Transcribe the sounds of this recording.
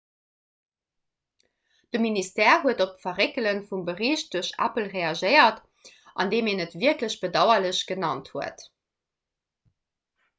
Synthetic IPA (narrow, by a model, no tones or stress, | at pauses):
d̥əministɛːɐɦuətop̚tfɐʁekələnfumbəʁiːɕt̚d̥uɐɕæ̰pəlʁeɑʒəɪɐt | ʔɑ̰ndeːmeːnətv̥iɐkləɕb̥ədɑʊɐləɕɡ̥ənɑnthuət